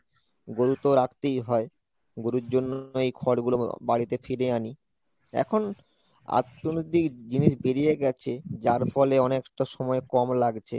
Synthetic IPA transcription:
ɡoɾut̪oɾakʰt̪ejɦɔe | ɡoɾuɾd͡ʑonːoejkʰɔɽɡulobaɽit̪efiɾeani | ɛ̰kʰon | a̰t̪ːonod̪ikd͡ʑiniʃbeɾijeɡɛt͡ɕʰed͡ʑaɾfɔleɔnekʈaʃɔmɔekɔmlaɡt͡ɕʰḛ

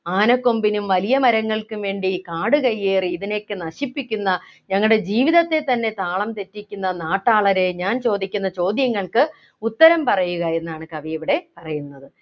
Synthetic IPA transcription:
aːnɐkːo̞mbinumʋɐlijɐmɐɾɐŋːɐɭkɨʋe̞ːɳɖikaːɽɨkɐjːeːriːðine̞kːɨnɐɕipːikʲːunːɐ | ɲɐŋːɐɭɽe̞d͡ʑiːʋiðɐt̪ːe̞t̪ːɐnːe̞t̪aːɭɐmt̪e̞tːikʲːunːɐnaːʈːaːɭɐɾeɲaːnt͡ɕo̞ːd̪ikʲːunːɐt͡ɕo̞ːd̪jɐŋːɐɭkɨ | ut̪ːɐɾɐmpɐrɐjuɣɐe̞nːaːɳɨkɐʋɐeʋiɽe̞pɐrɐjunːɐðɨ

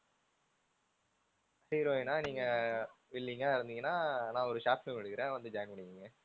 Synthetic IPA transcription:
hiːɾoːenaːniːŋɡɐʋɪɭːiŋɡaːɪɾɯnd̪ɯŋɡɐnaːnãːɔɾɯʂaːpnɯ̃mɐɽɯkːɪɾẽːʋɐnd̪ɯd͡ʒaːŋɡpɐɳɪkːiŋɡɐ

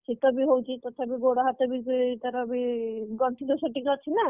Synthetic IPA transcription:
sit̪ɔbiɦowt͡ʃʰit̪ɔt̪ʰabiɡoɽaɦat̪ɔbit̪ɔɾɔbiɡɔɳʈʰid̪ɔsɔʈikɾat͡ʃʰina

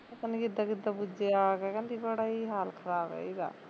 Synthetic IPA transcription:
t̪anikɪd̪ːakɪd̪ːabʊd͡ʒeakɛkɛ̃nd̪ibəɽaːiɦaːlkʰəɾaːbɛ̰ːiɡa̰ː

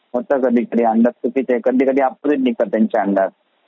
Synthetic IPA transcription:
ɦot̪əkəd̪ʱikəd̪ʱiːəɳɖ̪at̪̚tupit͡ɕekəd̪iːkəd̪iːapːod̪iːt̪̚nik̚t̪at̪ːjaɲt͡ɕaəɳɖ̪at̪̚

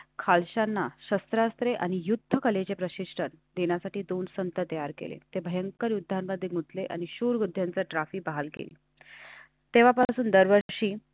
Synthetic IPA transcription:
kʰalɕanːaɕəst̪ɾast̪ɾeʔañijud̪ʱːəkəlet͡ɕepɾəɕiʂʈʰənd̪eɳjasaʈiːd̪onsənt̪ət̪əjaɾkḛlḛt̪ebʱəjəŋkəɾjud̪ʱːanməd̪ʱːjeɡut̪leʔa̰ɽ̃iɕuːɾɡud̪ʱːjant͡səʈɾafiːbaɦalkḛlḭ | t̪eʋ̤apasuːnd̪əɾʋəɾɕiː

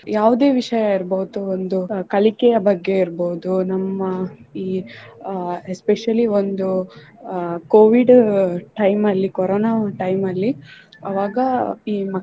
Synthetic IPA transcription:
jaːʋud̪e̞ːʋiʂɐjaiɾboud̪uond̪ukɐlikɛjɐbɐɡːe̞iɾboːud̪unɐmːɐiː | espeʂɐliond̪u | koːʋiɖʈɐjmɐlːikɔɾoːnaːʈɐjmɐlːi | ɐʋaːɡɐiːmɐ

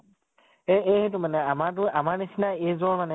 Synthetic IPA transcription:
eejɦet̬ʊmanɛamaɹt̬ʊamaɹnisinaejzɔɹmanɛ

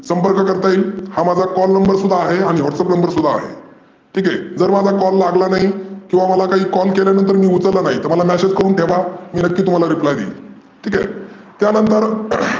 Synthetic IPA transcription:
səmpəɾkkəɾt̪aiːlhamad͡zʱakɔlnəmmbəɾsud̪ʱːaːɦeaɽ̃iɦɔʈsəpnəmbəɾsud̪ʱːa̰ːɦḛ | ʈʰiːkɛd͡zəɾmad͡zʱakɔlːaɡlanaɦikĩw̃ʋaməlakaɦiːkɔlkeljanənt̪̬əɾmiːut͡səɾlanaɦit̪əɾməlamæsed͡zkəɾuːnʈʰeʋamiːnəkːiːt̪um̤alaɾiplajd̪ḛːl | ʈʰiːkɛ̰ | t̪janənt̪əɾ

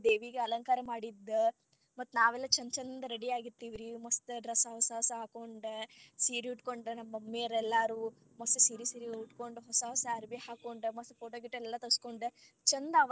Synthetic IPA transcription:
d̪eːʋiɡeɐlɐŋkaːɾɐmaːɽid̪ːɐ | mɐt̪ːnaːʋɛlːɐt͡ʃɐnd̪t͡ʃɐnd̪ɐɾeɽiaːɡiɾt̪ːiːʋiɾimɐst̪eɖɾɐsɐɦɔsɐɦɔsɐɦaːkoɳɖesiːɾiuʈkoɳɖɾenɐmːɐmːeːɾɛlːaːɾuː | mɐst̪esiːɾisiːɾiuʈkoɳɖuɦɔsɐɦɔsɐɐɾbijɐhaːkoɳɖemɐspoːʈoːɡiʈːɛlːɐt̪ɐskoɳɖe | t͡ʃɐnd̪ɐɐ

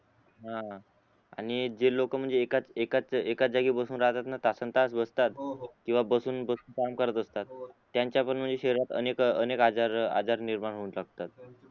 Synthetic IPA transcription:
ɦã | aɽ̃id͡ʑelokəm̤əɳd͡zeːkat͡sekat͡sekat͡sd͡zaɡiːbəsuːnɾaɦt̪at̪nat̪asənt̪asbəst̪at̪kĩw̃ʋabəsuːnbəsuːnkamkəɾət̪əst̪at̪ː | jaɲt͡ɕjapəɳm̤əɳd͡zeɕeɾɾat̪ə̰nekənekad͡zaɾa̰d͡zaɾniɾmaɽɦounlaɡ̚t̪at̪̚

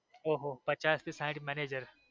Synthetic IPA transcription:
oːɦoːpɐt͡ʃaːst̪isãɪ̃ɳʈmɛːneːd͡ʒəɾ

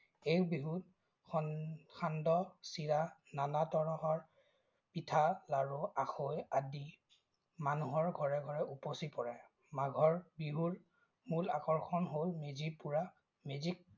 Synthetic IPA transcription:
ekbiɦut | xɔxandɔsiɹananatɔɹɔɦɔɹ | pitʰalaɹuaxojadi | manuɦɔɹɡʱɔɹɛɡʱɔɹɛuposipɔɹɛ | maɡʱɔɹbiɦuɹ | mulakɔɹxɔnɦolmezipuɹa | mezik̚

